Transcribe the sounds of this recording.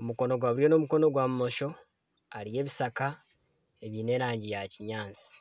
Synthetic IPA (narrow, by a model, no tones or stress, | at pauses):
omuko̞no̞ɡwaːβuɾjo̞no̞muko̞no̞ɡwaːmumoʃo̞ | aɾije̞ːβisaka | eβiːne̞ːɾaːɲɟijaciɲaːnt͡si̥